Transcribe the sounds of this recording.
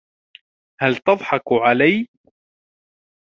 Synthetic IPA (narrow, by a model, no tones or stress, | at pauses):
halt̪ɑðˤħɑkʕalaj